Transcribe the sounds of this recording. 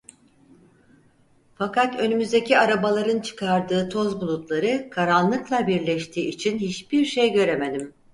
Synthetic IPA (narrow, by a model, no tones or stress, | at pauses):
fakat̪ø̞nymyzd̪ecʰiaɾabalˠaɾɯnt͡ʃʰɯ̥kʰaɾd̪ɯːt̪ʰo̞zbulˠut̪lˠaɾɯkʰaɾanlˠɯklˠabiɾlʲɛʃt̪ʰiːit͡ʃʰinhit͡ʃbiɾʃejɟø̞ɾe̞med̪im